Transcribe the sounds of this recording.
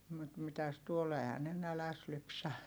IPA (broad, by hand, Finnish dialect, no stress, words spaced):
mut mitæs tuol ehæ ne nælæs lypsæ